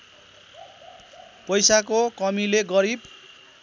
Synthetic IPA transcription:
pʌjsakokʌmileɡʌɾib

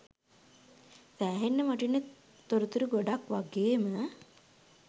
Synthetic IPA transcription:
sæːɦenːəmaʈ̬inːə | t̪oɾut̪uɾuɡoɖakʋaɡeːmə

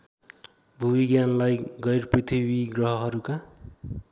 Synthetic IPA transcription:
bʱuwiɡjanlajɡʌjrprit̪ʰibiɡrʌɦʌɦʌɾuka

